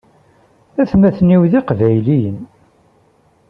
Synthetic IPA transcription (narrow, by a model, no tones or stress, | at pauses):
æθmæθniwðiqvæjlijən